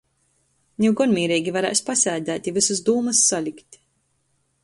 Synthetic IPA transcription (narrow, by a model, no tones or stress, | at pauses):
nʲiwɡɔnmiːɾiːɡʲivaɾɛ̰jspasʲɛːd̪æːt̪ʲivɨsuzd̪uːmɨsːalʲikt̪ʲ